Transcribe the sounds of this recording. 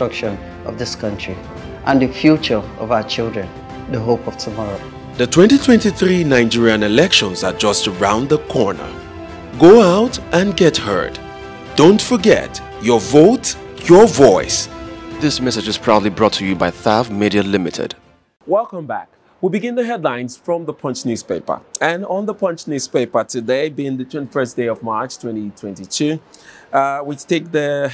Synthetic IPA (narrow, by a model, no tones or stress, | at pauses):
ɹkʃə̃n | ʌ̰vðɪskʰʌ̃ntʰɹ̥i | ʔə̃nðɨfjut͡ʃə˞ɔvaʊət͡ʃɪlˠdɹɛ̃n | ðəɦopɔv̥tʰəmɔɹo | ðɨtʰw̥ɛ̃ntitʰw̥ɛ̃ntiθɹinãɪ̃nd͡ʒiɹiə̃nɪlɛkʃə̃nzəd͡ʒʌstəɹãʊ̃nðəkʰɔɹnə̰˞ | ɡoʊaʊtʔə̃nɡɛt̚hɜ̰˞d | d̥õʊ̃ntfə˞ɡɛ̰t | jə˞voʊt | jəvɔɪsðɪsmɛsɨd͡ʒɨz̥pʰɹ̥aʊdlibɹɔtʰɨjɨbaɪθavmiɾiəlɪmɨtʰɪ̰d̥ | wɛlˠkə̃mbæ̰k | wibɨɡɪ̃nðəɦɛdˡlãɪ̃nz̥fɹʌ̃mðəpʰʌ̃nt͡ʃnʉz̥peɪpə̰˞ɨ̃nə̃nðəpʰʌ̃nt͡ʃnʉz̥peɪpə˞tʰɨdeɪbĩnðɨtʰw̥ɛ̃ntifɜ˞sd̥eɪʌvmɑɹt͡ʃtʰw̥ɛ̃ntitʰw̥ɛ̃ntitʰʉ | wit͡ʃteɪk̚ðɨ